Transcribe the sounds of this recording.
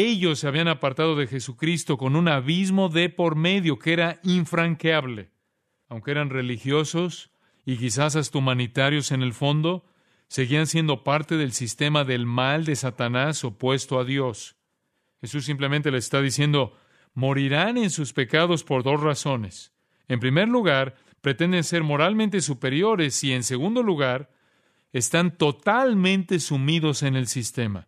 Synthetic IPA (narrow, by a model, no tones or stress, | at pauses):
e̞ʝo̞sːeaβianapaɾt̪aðo̞ðe̞xe̞sukɾist̪o̞ko̞nunaβizmo̞ðe̞po̞ɾme̞ðjo̞kee̞ɾaiɱfɾaŋkjaβle̞ | awŋkee̞ɾanre̞lixjo̞so̞s | ikis̬as̬ast̪umanit̪aɾjo̞se̞ne̞lfo̞nd̪o̞ | se̞ɣiansje̞nd̪o̞paɾt̪e̞ðe̞lsist̪e̞maðe̞lmald̪e̞sat̪anaso̞pwe̞st̪o̞aðjo̞s | xe̞sus̬ːimple̞ment̪̬e̞le̞sest̪aðisje̞nd̪o̞ | mo̞ɾiɾanensuspe̞kaðo̞spo̞ɾðo̞s̬raso̞ne̞s | e̞mpɾime̞ɾluɣaɾ | pɾe̞t̪e̞nd̪e̞nse̞ɾmo̞ɾalmẽnt̪e̞s̬upe̞ɾjo̞ɾe̞sie̞nse̞ɣund̪o̞luɣaɾ | e̞st̪ant̪o̞t̪almẽ̞nt̪e̞sumiðo̞se̞ne̞lsist̪e̞ma̰